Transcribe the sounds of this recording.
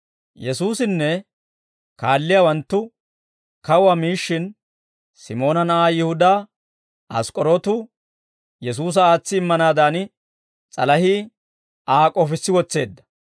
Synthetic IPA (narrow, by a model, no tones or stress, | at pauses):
jɛsuːsɪnːɛ | kaːlːɪjaːwɐnt̪ːʊ | kɐʊwɐmiːʃːɪn | sɪmo̞ːnɐnɐʔaːjɪhʊd̪aː | ɐ̰skʼɔɾot̪ʊ | jɛs̬uːs̬ɐaːt͡sːɪːmːɐnaːd̪aːn | t͡sʼɐlɐhi | ʔaːkʼɔfɪsːɪwɔt͡sːe̞ːd̪ːɐ̥